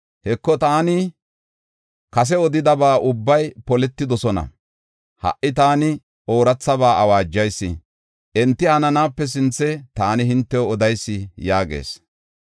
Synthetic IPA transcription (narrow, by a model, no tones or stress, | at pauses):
hɛkːɔt̪aːnɪ | kɐs̬ɛɔd̪ɪd̪ɐbaːʔʊbːɐjpɔlɛt̪ːɪd̪ɔsɔnɐ̰ | hɐ̰ʔɪt̪aːnɪ | ʔo̞ːɾɐt͡sːɐbaːʔɐwaːd͡ʒːɐjsːɪ̰ | ʔɛnt̪ːɪhɐnɐnaːpːɛs̬ɪnt͡sːɛt̪aːnɪɦɪnt̪ːɛɔd̪ɐjsːɪjaːɡḛːs